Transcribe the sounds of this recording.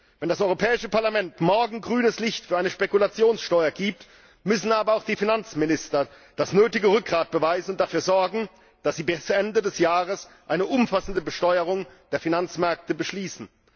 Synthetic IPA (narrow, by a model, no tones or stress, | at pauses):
vɛndasʔɔʏʁopʰɛːɪʃəpaɐlamɛntmɔɐɡŋ̩ɡʁyːnəslɪçtfyːɐʔaɪnəʃpekulat͡sjoːnsʃtɔʏɐɡiːp̚t | mʏsn̩aːbɐaʊxd̥iːfinant͡smɪnɪstɐ | d̥asnøːtɪɡəʁʏk̚ʁaːt̚b̥əvaɪzn̩ʊntd̥afyːɐzɔɐɡŋ̩ | d̥asz̥iːbɪsʔɛndədɛsjaːʁəsʔaɪnəʔʊmfasn̩dəbəʃtɔʏəʁ̞ʊŋd̥eːɐfinant͡smɛɐk̚təbəʃliːsn̩